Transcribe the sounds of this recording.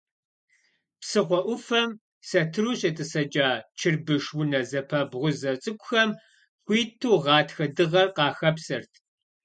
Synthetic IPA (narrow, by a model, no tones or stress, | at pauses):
psɨʁʷɔʔʷʊfɐm | sɐtʰɨɾuːɕʼɐtʼɨsɐd͡ʒʼaːt͡ʃʰɪrbɨʂwʊnɐzɐpʰɐbʁʷʊzɐt͡sʼɨkʷʼʊxɐm | χʷiːtʰuːʁɑːtxɐdɨʁɐrqɑːxɐpsɐrtʰ